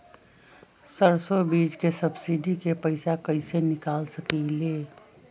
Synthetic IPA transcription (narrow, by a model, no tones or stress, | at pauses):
səɾsobiːd͡ʒkesəbsiɖikepəɪsakəɪsenɪkaːlsəkileː